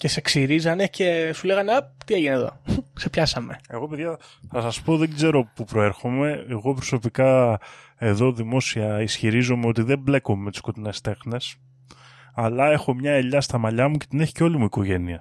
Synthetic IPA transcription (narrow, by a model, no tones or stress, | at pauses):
ce̞seksiɾizɐnece̞sule̞ɣɐnɐp̚t̪ieʝineðo̞̰se̞pçɐsɐme̞e̞ɣo̞piðʝɐθɐsɐspo̞ðeɡze̞ɾo̞pupɾo̞e̞ɾxome̞ːɣo̞pɾo̞so̞pikɐ | e̞ðo̞ðimo̞siɐisçiɾizo̞meo̞t̪iðe̞mble̞ko̞met̪i̥sko̞t̪inest̪e̞xne̞s | ɐlɐe̞xo̞mɲɐe̞ʎɐst̪ɐmɐʎɐmuce̞̥t̪ine̞çi̥ceo̞limuiko̞ʝe̞niɐ